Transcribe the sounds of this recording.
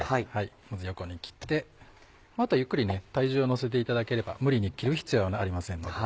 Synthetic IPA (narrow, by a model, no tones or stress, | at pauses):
haihai | mazɨjo̞ko̞ɲ̟ikʲi̥t̪ːe̞ | mat̪ajɯ̟kːɯɾʲinet̪aiʑɨːono̞se̞t̪̬e̞it̪ad̪ake̞ɾe̞ba̰mɯ̟ɾʲiɲ̟ikʲiɾɯ̟çi̥t͡sɨjonaɾʲimasẽ̞nːod